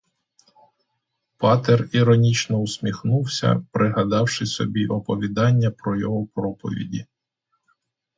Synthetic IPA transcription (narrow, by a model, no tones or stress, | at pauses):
pɑt̪ɛriɾɔnʲit͡ʃnɔusʲmʲixnuwsʲɐ̰pɾʔɪɦɐd̪ɑwʃɪsɔ̰bʲiʔɔpɔʋʲid̪ɑnʲːɐpɾɔjɔɦɔpɾɔpɔ̰ʋʲḭdʲi